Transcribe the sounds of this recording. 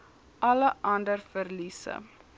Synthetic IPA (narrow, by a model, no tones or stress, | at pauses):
ʔɐləʔɐndərfərlisə̰